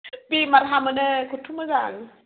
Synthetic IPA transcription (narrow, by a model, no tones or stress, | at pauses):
pimaɾɦamənəkʰut̪ʰuməzaŋ